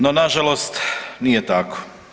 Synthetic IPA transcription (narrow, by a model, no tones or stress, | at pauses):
nonaʒalost̪nijet̪ako̥